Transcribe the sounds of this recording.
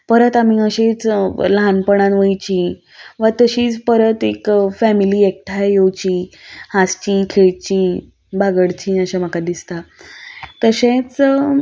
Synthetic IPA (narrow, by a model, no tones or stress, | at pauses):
pəɾət̪am̤iəɕẽt͡slanpəɽ̃ãnʋəjt͡ɕi | ʋət̪əɕiːt͡spəɾət̪ekfɛmiliːek̚ʈʰajjowt͡ɕiːhast͡ɕiːkʰeɭt͡ɕiː | baɡəɽt͡ɕiəɕamakad̪ist̪a | t̪əɕẽt͡s